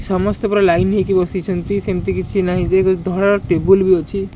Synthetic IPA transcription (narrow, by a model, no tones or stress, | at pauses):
sɔmɔst̪epɔɾɔlajnɦikibɔsit͡ʃʰɔnt̪isemt̪ikit͡ʃʰinaɦĩd͡ʒekd̪ʱɔɽaɾɔʈebulbiɔt͡ʃʰi